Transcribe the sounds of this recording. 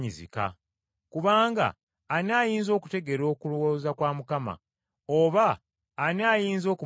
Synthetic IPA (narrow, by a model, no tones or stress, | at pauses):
ɲizḭka̰ | kuβaːŋɡa̰ː | naːjiːnzo̞ːku̥te̞ɡe̞ɾo̞ːkuluwoːzakwaːmukama̰ | oβaː | naːjiːnzo̞ːku